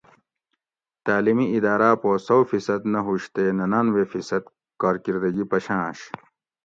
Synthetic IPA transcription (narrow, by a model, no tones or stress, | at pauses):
t̪aːlimiid̪aːɾaːpoːsɐwfisɐd̪nɐɦuɕt̪eːnɐnaːnweːfisɐd̪ | kaːɾkiɾd̪ɐɡipɐɕãːɕ